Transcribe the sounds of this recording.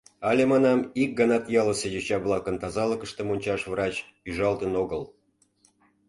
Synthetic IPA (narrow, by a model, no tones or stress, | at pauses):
ɑlʲemɑnɑmik̚ɡɑnɑt̪jɑləsejet͡ɕɑβlˠɑkənt̪ɑzɑləkəʃt̪emonʲt͡ɕɑʃvrɑt͡ɕ | yʒɑlt̪ənoɣəl